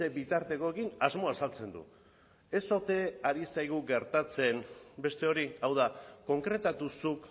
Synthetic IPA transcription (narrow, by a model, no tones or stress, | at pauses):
e̞bit̪aɾt̪e̞ko̞ekinazmo̞asalt͡se̞nd̪ṵ | e̞so̞t̪e̞aɾisajɣ̞uɡe̞ɾt̪at͡se̞nbe̞st̪e̞o̞ɾiawðako̞ŋkɾe̞t̪at̪usuk